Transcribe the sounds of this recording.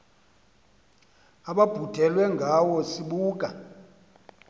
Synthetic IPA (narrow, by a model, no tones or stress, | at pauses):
aɓab̥ʱud̥ʱɛlwɛŋɡʱawɔsiɓuːk̬ʼa